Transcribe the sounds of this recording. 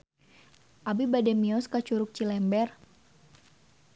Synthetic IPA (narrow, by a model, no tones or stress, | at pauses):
ʔabibadɛmiɔskat͡ʃuɾʊp̚t͡ʃilɛmbɛr